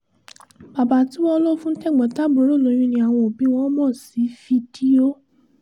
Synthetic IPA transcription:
b̥a˨ba˨˦ti˨˦w̃ɔ̃˧˦lo˦fũ˦tɛ˦˨ɡ͡bɛ̃˨˦ta˦bo˨˦ɾo˦˨lo˨˦j̃ĩ˧˦nĩ˧a˨w̃ɔ̃˧o˨bi˨˦w̃ɔ̃˦mɔ̃˦˨si˨˦fi˧di˦o˦

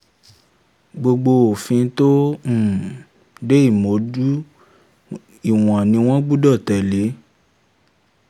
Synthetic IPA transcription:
ɡ͡bo˧ɡ͡bo˧o˨fĩ˧˦tõ˦˨ | de˦i˦˨mo˨˦du˦ | i˦˨w̃ɔ̃˨nĩ˧w̃ɔ̃˦ɡ͡bu˦dɔ˦˨tɛ˨le˨˦

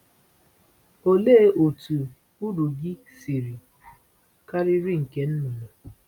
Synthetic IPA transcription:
o˨le˦ʔo˨tu˨ | u˦du˨ɡɪ˦ | si˨ɾi˨ | ka˦ɾɪ˦ɾi˦ŋ̩˨ke˨n̩˦nu˨no˨

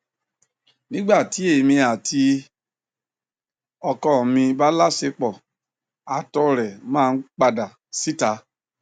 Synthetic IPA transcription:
nĩ˦ɡ͡ba˦˨ti˨˦e˦˨i˨mĩ˧a˨tʰi˧ | ɔ˧kɔ˦˨mĩ˧ba˦la˦se˧k͡pɔ˨ | a˨tɔ˧ɾɛ˨mãː˦˧n̩˦k͡pa˧da˨ | si˦ta˧˦

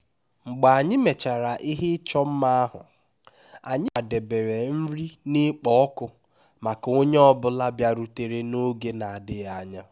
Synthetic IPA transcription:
ŋ͡m̩˨ɡ͡ba˨a˨ɲɪ˦me˨t͡ʃa˨ɾa˨ʔi˦ɦɪ˦t͡ʃɔ˦m̩˦ma˦a˦ɦʊ̰˨ | a˨ɲɪ˦˨de˨be˨ɾe˨m̩˦ɾi˦nɪ˦k͡pɔ˦ɔ˦kʊ˦ | ma˨ka˨o˦ɲe˦ɔ˦bʊ˦la˦bja˦ɾu˦te˨ɾe˦no˦ɡe˦na˨a˨dɪ˦ɣa˦˨a˦ɲa˦

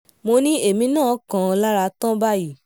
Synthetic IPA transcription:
mo˧nĩ˦e˦˨mĩ˧nãː˦˨˦kã˧ɔ˧la˦ɾa˧tɔ̃˦ba˦ji˦˨

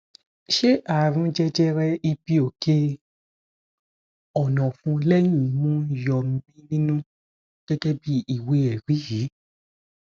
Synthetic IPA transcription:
ʃe˦ʔa˨ɾ̃ũ˨˦d͡ʒɛ˧d͡ʒɛ˦ɾɛ˧i˧pi˦o˨ke˧˦ | ɔ˨nɔ̃˨fũ˧˦lɛ˦jĩ˦˨mũ˦jɔ˨m˦mĩ˦nĩ˦nũ˦ | ɡ̥ɛ˦ɡɛ˦bi˦i˨we˨˦ɛ˨ɾi˨˦ji˨˦

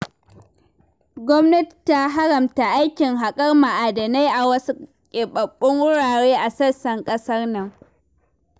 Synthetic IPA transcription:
ɡʷɔ˦mnɐ˦ttːa˦˨ɦa˦ɾɐ˨mta˨ʔa˦jkʲɪ˨ŋɦa˨kʼɐ˦rma˨ʔa˨dɐ˨na˦jʔa˨wɐ˦su˦ | kʲʼe˨ɓɐ˨ɓʼːʊ˦ŋwʊ˦ɽaː˨ɽeː˦ʔa˨sɐ˦sɐ˨ŋkʼɐ˦sɐ˦rnɐ˨ŋ

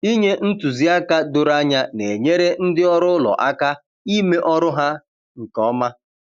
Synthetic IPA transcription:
i˦ɲe˦n̩˦tu˨zi˦a˦ka˦dʊ˨ɾa˦ɲa˦ne˨ɲe˦ɾe˦n̩˦dɪ˦ɔ˦ɾʊ˦lɔ̰˨ʔa˦ka˦ | i˦me˦ʔɔ˦ɾʊ˦ɦa˦ | ŋ̩˨kɔ˦ma˦

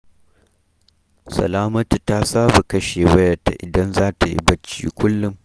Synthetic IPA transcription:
sɐ̰˨laː˦mɐ˦tu˨taː˦saː˦ba˨kɐ˦ʃeː˨wɐ˦jɐ˨ta̰˨ʔɪ˨dɐ˦nzaː˦ta˨jḭ˦bɐ˦t͡ʃːḭː˦kʷʊ˦lːʊ˦m

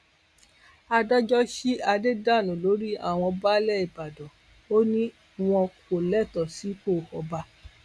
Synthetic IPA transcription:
a˧dɔ˦d͡ʒɔ˦ʃi˦a˧de˦da˦˨nũ˨lo˨˦ɾi˦a̰˦˨w̃ɔ̃˧ba˦lɛ˦˨i˨ba˨dɔ˨ | o˦nĩ˦ | w̃ɔ̃˧ko˨lɛ˦˨tɔ˨si˨˦k͡po˦˨hɔ˨˧ba˧˦

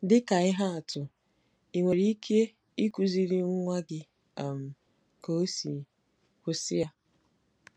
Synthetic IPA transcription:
dɪ˦ka˨ɪ˦ɦa˦a˨tʊ˨ | i˨ŋʷe˨ɾi˦i˦kʰe˦ | i˦ku˨zi˦ɾi˦ŋ̩˦ŋʷa˦ɡɪ˦˨ | m̩˨ | ko˦si˨ | kʷʊ˦sɪ˦ja˦

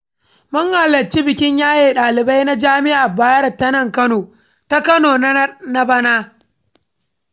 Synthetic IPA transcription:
mɐ˦ŋha˨lɐ˨t͡ʃːi˦bɪ˨kʲɪ˦ɲjaː˦jeː˦˨ɗaː˨lɪ˨ba˦jna˦d͡ʒaː˦mɪ˦ʔa˨baː˦jɐ˦rtɐ˦nɐ˦˨ŋkɐ˦noː˨ | ta˦kɐ˦noː˨n˦na˦bɐ˦naː˦

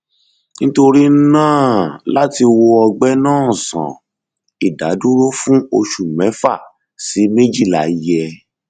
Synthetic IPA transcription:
ñ̩˦to˧ɾi˦n̩˦nãː˦˨la˦ti˧wo˧ɔ˧ɡ͡bɛ˦nãː˦˨sã̰˨ | i˨da̰˨˦du˦ɾo˦fũ˦o˧ʃu˦˨mɛ̃˨˦fa˦˨ | si˨˦me˦d͡ʒi˦˨la̰˨ji˦ɛ˧

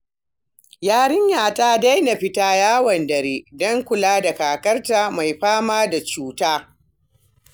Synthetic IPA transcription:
jaː˦ɽɪ˦ɲjaː˨taː˦da˦jna˨ɸɪ˦taː˦jaː˦wɐ˨ndɐ˨ɾeː˦dɔ˦ŋkʷʊ˨laː˦da˨kaː˨kɐ˦rtaː˦ma˨jɸaː˦maː˦da˨t͡ʃuː˦taː˦

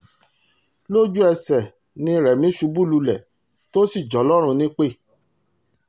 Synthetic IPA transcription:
lo˦d͡ʒu˦ɛ˧sɛ˨ | nĩ˧ɾɛ˨mĩ˨˦ʃu˨˦bu˦˨lu˧lɛ˨ | to˦si˦˨d͡ʒɔ˨˦lɔ˦ɾ̃ũ˧nĩ˦k͡pe˦˨

